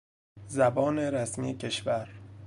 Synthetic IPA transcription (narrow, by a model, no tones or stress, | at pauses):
zæbɒːne̞ɾæsmiːecʰe̞ʃvæɾ